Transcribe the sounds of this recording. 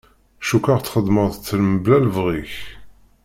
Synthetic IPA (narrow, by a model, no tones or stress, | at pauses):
ʃukːaʁt̪ːχəd̪məʁðt͡sːəlməblælvʁiç